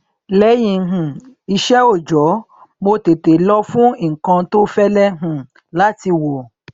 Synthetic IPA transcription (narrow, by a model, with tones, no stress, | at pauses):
lɛ˨˦jĩ˨˧˦ɦũ˨ | i˧ʃɛ˦o˦˨d͡ʒɔ˨˦ | mo˧te˨te˨lɔ˦fũ˦i˦˨kã˧to˦fɛ˦lɛ˦ɦũ˨ | la˦ti˧wo˨